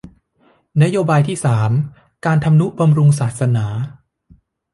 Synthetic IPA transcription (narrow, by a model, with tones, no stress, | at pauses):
na˦˥joː˧baː˧jt̪ʰiː˥˩saː˩˦m | kaː˧nt̪ʰa˧mnu˦˥ʔ̚ba˧mɾu˧ŋsaː˨˩t̪̚sa˧naː˩˦